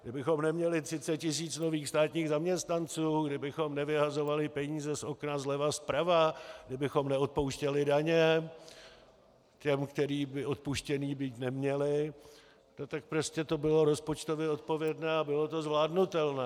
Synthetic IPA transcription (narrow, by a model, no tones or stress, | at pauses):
ɡdɪbɪxo̞mnɛmɲɛlɪt̪r̥ɪt͡sɛt̪̚cɪs̬iːt͡sno̞viːxst̪aːt̪ɲiːɣzamɲɛst̪nant͡suːɡdɪbɪxo̞mnɛvɪɦazo̞valɪpɛɲiːzɛsʔo̞knazlɛvaspɾavaɡdɪbɪxo̞mnɛo̞t̪̚po̞wʃcɛlɪdaɲɛ | cɛmkt̪ɛɾiːbɪʔo̞t̪̚puʃcɛniːbiːt̪nɛmɲɛlɪ | no̞t̪ak̚pɾo̞scɛt̪o̞bɪloɾo̞spo̞t͡ʃt̪o̞vjɛo̞t̪̚po̞vjɛdnɛːabɪlo̞t̪o̞zvlaːdnut̪ɛlnɛː